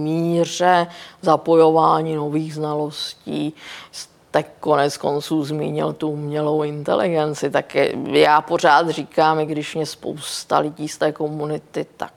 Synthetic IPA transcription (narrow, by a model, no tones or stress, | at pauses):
miːrɛzapo̞jo̞vaːɲiːno̞viːɣznalo̞sciːs | t̪ɛko̞nɛt͡sko̞̰nt͡suːzmḭːɲɪ̰lt̪uumɲɛlowɪnt̪ɛ̰lɪ̰ɡɛnt͡sɪt̪akɛ̰jaːpo̞r̝aːt̪riːkaːmɪɡdɪʃmɛspo̰wst̪a̰lɪɟiːst̪ɛːko̞munɪt̪ɪt̪a̰k̚